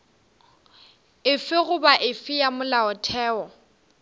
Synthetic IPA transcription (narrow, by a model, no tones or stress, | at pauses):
ɪfɪɣʊbaʔɪfɪjamʊlaɔtʰɛːɔ